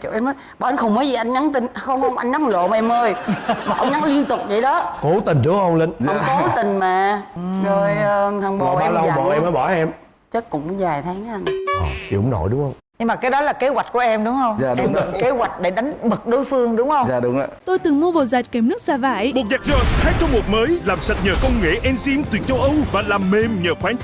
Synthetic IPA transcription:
t͡ɕo̰˧˩ʔɛ˧mnɔː˨˦jɓɔ˨ʔə˧˦nxə˧wŋ͡mməː˨˦jzi˨˩ʔa˧jŋɲa˨˦nt̪ï˧˩ŋxə˧wŋ͡mɗʊ˨˦ŋ͡mʔa˧jŋɲa˨˦lo̰˧˨maː˨ʔɛ˧mːəː˧jmaː˨˩ʔə˧wŋ͡mɲa˨˦nli˧ənt̪ʊ˨˩k͡p̚ɗə̰˧˩˦ɗɔ˨˦ko˨˦t̪ï˨˩ŋ̟zə˨˦hə˧wŋ͡mlə˧˦nə˧ŋ͡mko˨˧˦t̪ï˨˩ŋ̟maː˨˩zə˧jt̪ʰaː˧ŋɓo˨˧˨ɓa˧˨˧lə˧wɓɔ˧˦˩ʔɛ˧mə˨˦jɓɔ˧˩ʔɛ˧m | t͡ɕə˦kʊ̰˧˥ŋ͡mzaː˨˩jt̪ʰaː˨˦ŋʔa˧jŋʔɔ˨˩t͡ɕi˨hʊ̰˨˧˦ŋ͡mno̰˧˩jɗʊ˨˦ŋ͡mhə˧wŋ͡mɲɨ˧maː˨˩kaː˨˦jɗɔ˨˦laː˨˩ke˨˦ɣwa˨˩jk̟̚ku˧˩əʔɛ˧mɗʊ˨˦wŋ͡mhə˧wŋ͡mza̰ː˨˩ɗʊ˨˦ŋ͡mke˨˦ɣwa˨˩jk̟̚ɗe˧˩ɗa˨˦jŋ̟ɓɨ˨˩k̚ɗo˨˦jfɨ˧əŋɗʊ˨˦ŋ͡mhə˧wŋ͡mza̰ː˨˩ɗʊ˨˦ŋ͡mə̰ː˧˨˩t̪o˧jt̪ɨ˨˩ŋmu˧vo˨˩zaː˨˩ke˧˩mnɨ˦˥k̚saː˧˩va̰ː˧˩˨jmo˨˩t̚zaː˨˩k̚zo˨˩jhaː˨˦˥t̚t͡ɕɔ˧wŋ͡mmo˨˩t̚məː˨˦jlaː˨˩msə˨˩t̚ɲəː˨˩kə˧wŋ͡mŋḛ˧˩ʔɛ˧nsi˧mt̪wi˨˩ək̚t͡ɕə˧wʔə˧wvaː˨˩laː˨˩mːe˨˩mɲəː˨˩xwaː˨˦nt͡ɕ

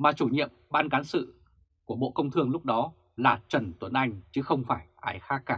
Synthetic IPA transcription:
maː˨˩t͡ɕu˧˩ɲḭ˧˨əmɓaː˧nkaː˨˦nsɨ̰˧˨ | ku˧˩əɓo̰˧˨kə˧wŋ͡mt̪ʰɨ˧əŋlʊ˦˥k͡p̚ɗɔ˨˦ | laː˨˩t͡ɕə˧˩nt̪wə˨˩nʔa˧jŋ̟t͡ɕɨ˨˦xə˧wŋ͡mfaː˧˩jʔaː˨˦jxaː˦˥k̚ːaː˧˩

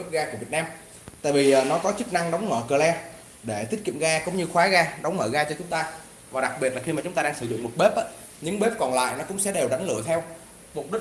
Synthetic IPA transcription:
ɓə˦˥ɣaː˧ku˧˩i˨˩ət̚naː˧m | t̪a̰ː˧˨jviː˨˩˨nɔ˨˦kɔ˨˦t͡ɕɨ˦˥k̚na˧ŋɗə˨˦wŋ͡mŋə̰ː˧˩kəː˨˩lɛ˧ | ɗe˧˩t̪ʰi˦˥k̚kḭ˧˨əŋɣaː˧kʊ˨˧˦ŋ͡mɲɨ˧xwaː˨˦ɣaː˧ɗə˨˦wŋ͡mŋəː˧˩ɣaː˧t͡ɕɔ˧t͡ɕʊ˨˦ŋ͡mt̪aː˧ | vaː˨˩ɗa˨˩k̚ɓi˨˩t̚la˨˩xi˧maː˨˩t͡ɕʊ˨˦ŋ͡mt̪aː˧ɗaː˧ŋsɨ˧˩zʊ̰˧˨ŋ͡mmo˨˩t̚ɓe˦˥p̚ʔaː˨˦ | ɲɨ̰˧˥ŋɓe˦˥p̚kɔ˨˩nla̰ː˧˨jnɔ˨˦kʊ̰˧˥ŋ͡msɛ̰˧˥ɗe˨˩wɗa˨˦ŋlɨ̰˧˨ət̪ʰɛ˧w | mo˨˩t̚ɗi˦˥

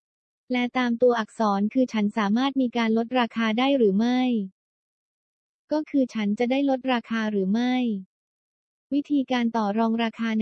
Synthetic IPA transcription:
lɛ˦˥t̪aː˧mt̪u˧ɐʔa˨˩k̚sɔː˩˦nkʰɯː˧t͡ɕʰa˦˥nsaː˩˦maː˥˩t̪̚miː˧kaː˧nlo˦˥t̪̚ɾaː˧kʰaː˧daː˥˩jɾɯː˩˦ma˥˩j | kɔː˥˩kʰɯː˧t͡ɕʰa˦˥nt͡ɕa˨˩daː˥˩jlo˦˥t̪̚ɾaː˧kʰaː˧ɾɯː˩˦ma˥˩j | wi˦˥t̪ʰiː˧kaː˧nt̪ɔː˨˩ɾɔː˧ŋɾaː˧kʰaː˧n

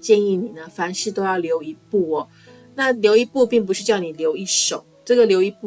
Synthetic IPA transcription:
t͡ɕjɛ˥˧ni˥˩ni˨˩nə˦fa˧˥nʂɻ̩˥˩t̪o˥ʊjɑ˥˩ʊljo˧˥ʊi˧˥pu˥˩ɔ˨˩ | na˥˩ljo˧˥ʊi˧˥pu˥˧pi˥˩ŋp̬u˧˥ʂɻ̩˥˧t͡ɕjɑ˥˩ʊni˨˩ljo˧˥ʊi˥˩ʂo˨˩˦ʊʈ͡ʂɤ˥˩ɡə˩ljo˧˥ʊi˧˥pu˥˩

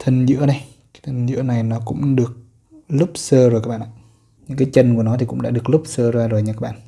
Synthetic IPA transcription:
t̪ʰə˨˩ŋzɨ̰˧˥əna˨˩j | ka˨˦jt̪ʰə˨˩ŋzɨ̰˧˥əna˨˩jnɔ˨˦kʊ̰˧˥ŋ͡mɗɨ˨˩ək̚ | lʊ˦˥p̚səː˧zjkaː˦kɓa̰ː˧˨ʔa̰ː˧˨ | ɲɨ̰˧˥ŋkaː˨˦jt͡ɕə˧nku˧˩ənɔ˨˦t̪i˨˩kʊ̰˧˥ŋ͡mɗa̰ː˧˥ɗɨ˨˩ək̚lʊ˦˥k͡pp̚səː˧zaː˧zo˨˩jɲa˧˩kaː˦˥ɓa̰ː˧˨

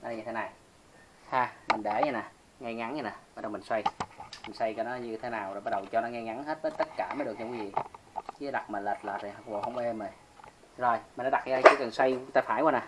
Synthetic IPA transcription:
a˨˧˨ɲɨ˧t̪ʰna˨˩j | haː˧mï˨˩ŋ̟ɗe˧˩ɲa˧˦naː˨˩ | ŋɛ˧ŋa˨˦nɲː˧na˨˩ə˨˩˨ɗɔ˧wmi˨˩ŋswa˧jmi˨˩ŋ̟swa˧jkɔ˨˦nɔ˨˦ɲɨ˧t̪ʰe˨˦naː˨˩wɓa˦˥t̚ɗə˨˩wt͡ɕɔ˧nɔ˨˦ŋɛ˧ŋa˨˦nɦe˦˥t̚vəː˨˦jt̪ə˦˥t̚kaː˧˩mə˨˦ɗɨ˨˩ək̚ɲi˧wi˨˦vḭ˨˩ | t͡ɕi˨˧˦ɗa˨˩k̚ma˨˩la˨˩t̚laː˨˩t̚i˨˩hə˧wŋ͡mvo˨˩hə˧ŋ͡mʔe˧mə˨˩j | zo˨˩jmi˨˩nːɔ˨˦˥ɗa˨˩k̚ŋa˧aː˨˧˦t͡ɕḭ˧˦kə˨˩nswa˧jŋ͡mt̪aː˧faː˧˩˦jwaː˨˧˦naː˨˩

